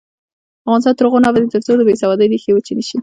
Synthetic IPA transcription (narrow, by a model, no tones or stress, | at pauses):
afɣɑnɪst̪ɑnt̪əɾɣonɑbad̪et̪əɾt͡sod̪əbesawɑd̪əjd̪exewət͡ʃenəʃi